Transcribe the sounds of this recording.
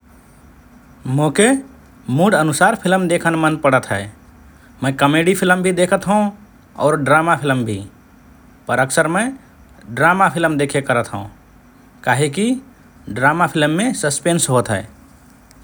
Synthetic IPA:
mõːke | muɖənʊsaːɾpʰɪlmd̪eːkʰənmənpəɽət̪ɦɛː | mə̃kəmeːɖipʰɪlmbʱid̪eːkʰət̪ɦəũ | ɔ̰ːɾɖɾaːmapʰɪlmbʱi | pəɾəksəɾmə̃ | ɖɾaːmapʰɪlmd̪eːkʰekəɾət̪ɦəũ | kaːɦeki | ɖɾaːmapʰɪlmːẽsəspeːnsɦoːt̪ɦɛ̰ː

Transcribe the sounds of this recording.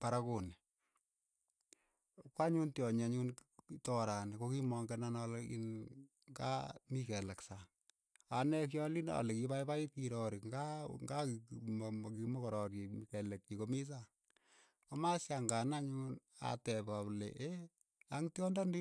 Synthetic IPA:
paɾakoni | kwaɲuntjɔɲaɲuntɔɾanikokimɔŋɡɛnanɔlḭn | ŋɡa̰mikɛlaksa | anɛk̬jɔlina̰lɛkipaipapiɾɔɾiŋɡaŋɡamkimɔkɔɾɔɾimikɛlek̚t͡ʃikomis̬a | komasjaŋɡanaɲun | a̰tɛpaplḛʔe | aŋtjɔndɔndi

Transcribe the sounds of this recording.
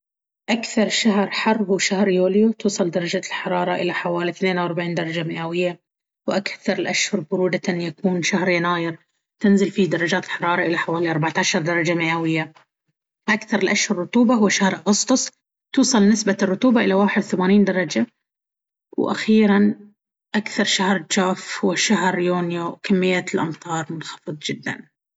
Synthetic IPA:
ʔakθɑɾˤʃaɦɾˤħɑrˤːɦuːʃahɾjoːljut̪uːsˤɑld̪ɑɾˤɑd͡ʒaːt̪ɪlħɑɾˤɑːɾˤɑʔɪlaħawaːliθneːnawʔɑɾˤbaʕiːnd̪ɑɾˤɑd͡ʒamɪʔawɪjːa | wʔakθɑɾˤɪlʔaʃhʊɾˤbʊɾuːd̪aanjakuːnʃahɾjanaːjɪɾ | t̪ɪnzɪlfid̪ɑɾˤɑd͡ʒaːt̪ɪlħɑɾˤɑːɾˤɑʔɪlaħawaːliʔɑɾˤbaʕt̪aːʃɑɾˤd̪ɑɾˤɑd͡ʒamɪʔawɪjːa | ʔakθɑɾˤɪlʔaʃhʊɾrːʊt̪ˤuːbahʊwːaʃahɾʔaɣʊst̪ˤʊsˤ | t̪uːsˤɑlnɪsbarˤːʊt̪uːbaʔɪlawaːħɪd̪θamaːniːnd̪ɑɾˤɑd͡ʒa | wʔa̰xiːɾan | ʔakθɑɾˤʃahɾˤd͡ʒaːfhwɪʃaɦɾjuːnjokamːɪjːat̪ɪlʔɑ̰mt̪ˤɑːɾˤmʊnxɑ̥fɨðˤd͡ʒɪd̪ːa̰n

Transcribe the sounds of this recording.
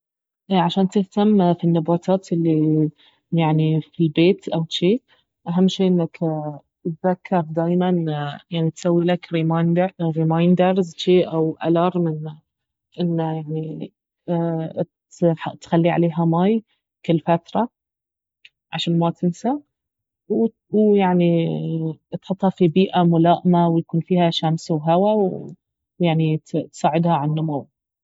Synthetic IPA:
ʔʕaʃaːnt̪ɪht̪amfinːabɑːt̪ʰɑːt̪ʔɪlːi | jaʕnifilbeːt̪ʔawʃiː | ʔaɦamːʃiːʔɪnːak | t̪ðakʰːɑɾˤd̪aːjmanjaʕnit̪sawːilakɾimanɾimajnd̪ɑɾˤzʃiːʔawʔa̰lɑɾˤmɪn | ʔɪnːajaʕni | ħt̪xalːiʕa̰leːɦamaːj | kɪlːfat̪ɾˤɑ | ʕaʃaːnmaːt̪ʰɪnsa | w | wjaʕni | t̪ħʊt̪ˤːhɑfibiːʔamʊlaːʔmawjakuːnfiːhaʃamsawɦawaw | jaʕnit̪saːʕɪd̪haʕanːʊmaw

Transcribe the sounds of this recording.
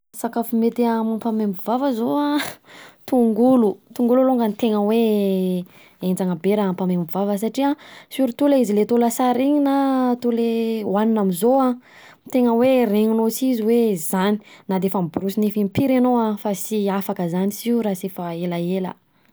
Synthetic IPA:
sakafumet̪iamampamembivavəzoa | t̪uŋɡulut̪uŋɡululoŋɡənit̪eŋəwe | end͡zaŋəbeɾaampamembivavəs̬aʈ͡ʂiasuɾit̪ulaizilet̪oləsaɾiɲinat̪ulewaninamizoa | t̪eŋəwereŋinot͡siziwezani̥nad̪efamibuɾusinefimpiɾenoafasiafakəzanisiɾasefəelaelə̰

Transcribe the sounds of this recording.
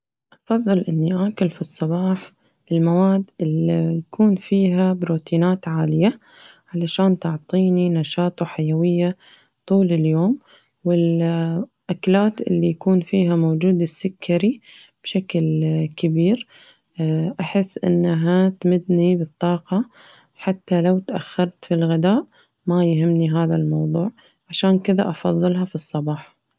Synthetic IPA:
ʔɑfɑðˤːɨlʔɪnːiʔaːkʊlfisˤːɑbɑːħ | bɪlmawaːd̪ːɪlijakʰuːnfiːɦabɾuːt̪iːnaːt̪ʕaːlɪja | ʕalaʃaːnt̪ʊʕt̪ˤiːninɑʃɑːt̪ˤɑħajawɪjːa | t̪ˤuːlɪljoːm | wɪl | ʔaklaːt̪ʔɪ̰lːijakuːnfiːɦamoːd͡ʒuːd̪ɪsːɪkʰːaɾi | b̥ʃaklkɪbiːɾ | ʔaħɪsːʔɪ̰nːaɦat̪mɪd̪nibɨt̪ˤːɑːqɑ | ħat̪ːalawt̪ʔa̰xːɑɾˤt̪filɣɪd̪aːʔ | majɦɪmːniɦaːðalmɑwðˤuːʕ | ʕaʃaːnkɪða̰ʔɑfɑ̰ðˤːɨlɦɑfisˤːɑbɑːħ

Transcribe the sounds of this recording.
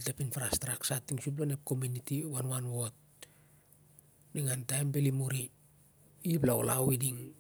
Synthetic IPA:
tapinfaɾastɾaksatːiŋsup̬lonep̚ko̞munitiwanwanwo̞t̚ | niŋantajmbelimuɾi | iplao̰la̰widiŋ

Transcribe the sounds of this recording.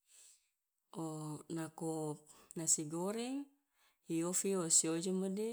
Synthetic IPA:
onakop̚nasiɡoɾɛŋ | iofiosiod͡ʒomade

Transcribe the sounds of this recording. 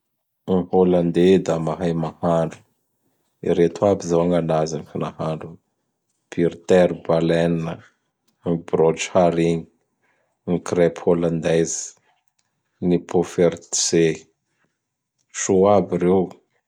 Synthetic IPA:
iholand̪ed̪amaɦajmahaɳɖ͡ʐu̥ | ḭɾet̪uabizawaŋanazanifinahaɳɖ͡ʐu | pʰiɾt̪ɛɾbalɛninə | ibrɔd͡ʒhaɾiɲi | ŋikrɛpholand̪ɛzi̥ | nipʰofeɾt̪se | ʃoabiɾew

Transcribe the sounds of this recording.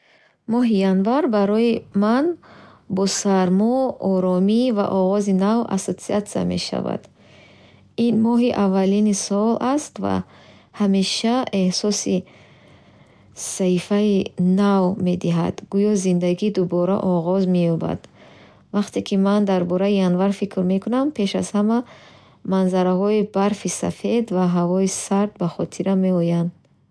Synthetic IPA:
mɔɦijanvaɾbaɾɔimanbɔsaɾmɔɔɾɔmiva̰ʔɔʁɔzinava̰sot̪siat̪sia̰me̞̰ʃa̰va̰d̪ | inmɔɦiʔavːalinisɔlʔast̪va̰ | hame̞ʃae̞hsɔsi | saifainavme̞d̪iɦa̰d̪̥ɡujɔzind̪aɡid̪ubɔɾa̰ʔɔʁɔzme̞jɔba̰d̪ | vaqt̪ʰe̞kʰimand̪aɾbɔɾaianvaɾfikʰɾme̞kʰunampʰe̞ʃa̰zhama | manzaɾaɦɔibaɾfisa̰fe̞d̪vaɦavɔisaɾd̪baχɔt̪ʰiɾame̞ɔjand̪

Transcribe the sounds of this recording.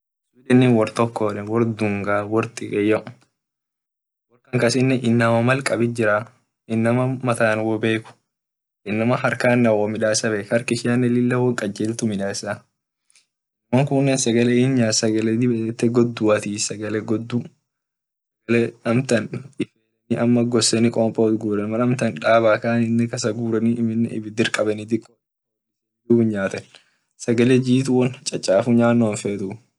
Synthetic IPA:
sʊlɛnːɛnwɔɾt̪ɔkːoːᶑɛwɔɾd̪ʊŋɡaːwɔɾt̪ʼɪkʼɛjɐ | wɔɾkɐŋkɐsɪnːɛʔɪnːɐmɐmɐlkʼɐbɪd͡ʒɪɾa | ɪnːɐmɐmɐt̪aːnwɔbe̞ːkʊ̥ | ʔɪnːɐmɐɦɐɾkaːnːɐwɔmɪᶑaːsɐbeːkɐɾkɪʃɪjanːɛlɪlːɐwɔŋkʼɐd͡ʒeːlt̪ʊmɪᶑaːsa | nɐmoŋkʊnːɛnsɐɡɐlɛɪnɲaːsɐɡɐlɛd̪ɪbɛt̪ːɛɡɔd̪ːʊɐt̪iːsɐɡɐlɛɡɔd̪ːu | sɐɡɐlɛɐmt̪ɐnɪfeːlɛniʔɐmːɐɡɔsɛnɪkʼɔːmpʼɐɔt̪ɡuːɾɐnmɐnɐmt̪ɐnᶑaːbaːkaːnɪnːɪkɐsɐɡuːɾɐniɪmɪn̰ːɪ̰bɪd̪ɪɾkʼɐbɐnɪd̪ɪkʼɔ | s | duɪnɲaːt̪ɐn | sɐɡɐlɛd͡ʒiːt̪ʊwɔnt͡ʃʼːɐt͡ʃʼːaːfʊɲaːnːoːnfeːt̪ʊ

